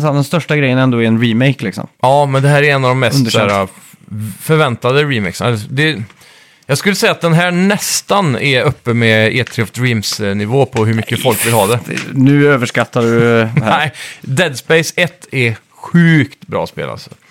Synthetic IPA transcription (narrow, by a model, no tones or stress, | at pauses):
sɛd̪ɛnst̪œʂʈaɡɾɛjənɛnd̪oːɛɾɛnɾimɛɪklɪksɔ̰mɑːmɛnd̪ɛhæːɾɛɾɛnːavd̪ɔmːɛstnsæːɾa | fœɾvɛnt̪ad̪əɾɪmɛ̰ɪksd̪ɛ | jɑːɡskʉlːəsɛjat̪̚d̪ɛnɦæːnɛst̪anɛœpːəmɛeːt̪ʰɾɪɔfd̪ɾiːmsnɪvoːpʰɔɦɵɾmʏkːəfɔlkvɪlɦɑːd̪ɛ̰nʉ̟ːøːvəʂkat̪ːaɖɵæɪd̪ɛd̪spɛjsɛt̪ʰːɛ | ɧʉ̟ːkt̪bɾɑ̰ːspḛːla̰sɔ̥̰